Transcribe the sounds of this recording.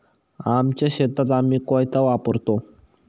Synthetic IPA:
amt͡ɕjaɕet̪at̪amiːkojt̪aʋapəɾt̪o

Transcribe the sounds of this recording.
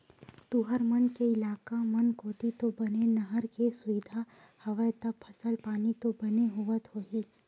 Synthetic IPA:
t̪uɦəɾmɐnkeɪlaːkamɐnkoːt̪it̪obɐnenɐɦəɾkesʊid̪ʱa | hɐʋəjt̪ɐbpʰɐsəlpaːnit̪obɐneɦʊʋət̪ɦoːɦiː

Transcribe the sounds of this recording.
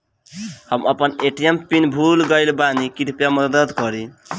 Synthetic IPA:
həməpəneʈijempinbʱulɡəɪlbanikiʈpjaməd̪əd̪kʌɾi

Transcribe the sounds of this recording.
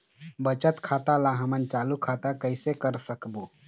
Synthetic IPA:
bət͡ʃət̪kʰat̪alaɦəmənt͡ʃalukʰat̪akəɪsekəɾsəkbo

